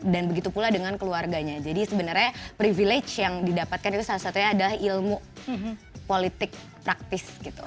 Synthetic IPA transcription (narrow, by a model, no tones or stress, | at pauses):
danbəɡit̪upuladəŋankəluarɡaɲad͡ʒadisəbənərɲapɾiviled͡ʒjaŋdidapat̪̚kanit̪usalasat̪uɲaːdalahilmu | polit̪ɪk̚ | pɾak̚t̪ɪsɡit̪u